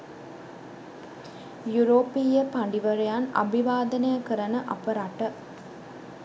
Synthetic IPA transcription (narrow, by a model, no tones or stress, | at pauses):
juɾoːpijəpaɳɖiʋɐɾejanɐ̰bʱiʋaːd̪ɐnejəkəɾɐnəʔɐpəɾaʈə